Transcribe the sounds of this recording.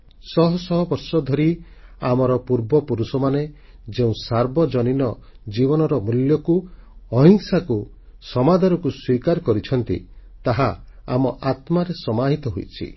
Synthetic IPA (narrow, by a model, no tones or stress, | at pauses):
sɔɦɔsɔɦɔbɔɾsɔd̪ʱɔɾi | amɔɾɔpuɾbɔpuɾusɔmane | d͡ʒeũsaɾbɔd͡ʒɔninɔ | d͡ʒibɔnɔɾɔmuljɔkuɔɦiŋsaku | sɔmad̪ʱaɾɔkuswikaɾɔkɔɾit͡ʃʰɔnt̪ḭt̪aɦaa̰mɔʔat̪maɾesɔmaɦit̪ɔɦojt͡ʃʰḭ